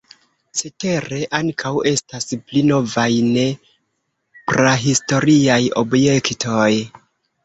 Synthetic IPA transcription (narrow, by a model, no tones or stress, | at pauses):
sete̞ɾe̞ʔaŋkʰawe̞stasplino̞vajne | pɾaɦisto̞ɾiajo̞̰bje̞ktʰo̞j